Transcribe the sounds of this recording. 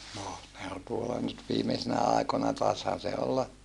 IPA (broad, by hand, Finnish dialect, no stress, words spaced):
noh ne ol tuolːɑ nyt ʋiːmesinæ ɑˑikonɑ tɑeshɑn̞ se olːɑ